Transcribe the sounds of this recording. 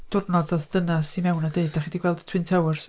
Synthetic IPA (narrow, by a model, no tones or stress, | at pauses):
d̥ʊrnɔdɔðd̥ənasimɛwnɔdeɨdaχidiɡwɛlˠdtʰw̥ɨntʰɛwrs